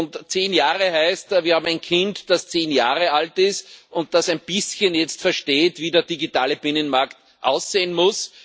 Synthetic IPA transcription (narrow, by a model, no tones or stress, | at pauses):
ʊntt͡seːnjaːʁəhæɪstviːɐhaːbm̩æɪnkʰɪ̃ntd̥ast͡seːnjaːʁəaltɪstʊnt̚d̥asæɪnb̥ɪsçənjɛt͡stfɛɐʃteːtv̥iːdeːɐd̥iɡitaːləb̥ɪnənmaɐkt | ʔa̰ʊsz̥eːənmʊs